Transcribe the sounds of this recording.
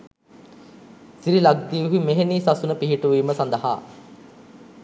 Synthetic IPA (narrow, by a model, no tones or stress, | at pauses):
siɾilaɡ̚d̪iːʋuɦumeɦeniːsasunəpiɦiʈuʋiːməsand̪əɦa̰ː